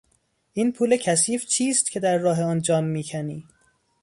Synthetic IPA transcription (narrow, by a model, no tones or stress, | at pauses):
ʔiːnpʰuːle̞cʰæsiːft͡ʃʰiːst̪̚cʰe̞d̪æɾːɒːɦeɒːnd͡ʒɒːmːiːcʰæniː